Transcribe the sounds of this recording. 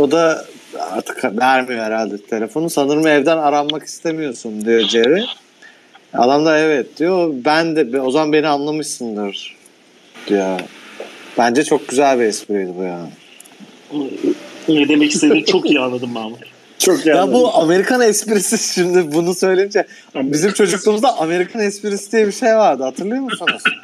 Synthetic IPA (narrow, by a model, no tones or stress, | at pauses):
o̞d̪a | a̰t̪ʰɯ̥kʰavæɾmijo̞ɛɾalʲd̪ɛt̪ʰe̞lʲe̞fo̞nusanɯɾmɯɛvd̪ænaɾalˠmaki̥st̪ʰe̞mijo̞sund̪ijo̞d͡ʒeɾɪ | a̰lˠamd̪aɛvɛt̪̚d̪̥ijo̞bænd̪ɛbo̞zamanbe̞nianlˠamɯʃsɯnd̪ɯɾ̥ | d̪̥ijo | b̥ænd͡ʒɛt͡ʃʰo̞k̚ɟyzælʲbiɛspiɾejd̪ibujan | nɛd̪e̞mɛcist̪ʰeimt͡ʃʰo̞kijianːˠad̪ɯmbama | t͡ʃʰokːj̪abuame̞ɾikʰanɛspiɾisiʃimd̪ɪbunusø̞jlʲejimd͡ʒɛ | bizimt͡ʃʰo̞d͡ʒuklˠuːmuzd̪aʔame̞ɾikʰanɛspiɾisid̪ijɛbiʃe̞jvaɾd̪ɯhat̪ʰɯɾlˠɯjo̞musons